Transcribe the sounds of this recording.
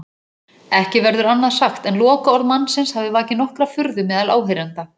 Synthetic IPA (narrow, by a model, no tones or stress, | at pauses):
ɛhcɪvɛɾðʏɾanːaðsaxt̪ɛnlɔːkaɔɾðmanːsɪnshavðɪvaːcɪnɔhkɾafʏɾðʏmɛːðala̰ːwɦɪɾant̪a